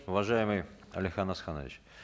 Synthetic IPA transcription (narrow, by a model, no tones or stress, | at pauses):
ʊvɐʐajɪmɨj | ɐlʲɪxanɐsxanə̰vʲɪ̰t͡ɕ